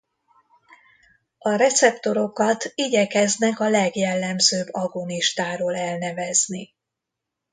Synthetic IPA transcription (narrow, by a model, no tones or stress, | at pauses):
ɒɾɛt̪sɛpt̪o̞ɾo̞kɒt̪iɟɛkɛznɛkɒlɛɡjɛlːɛmzøːbːɒɡoniʃt̪aːɾoːlɛlnɛvɛzni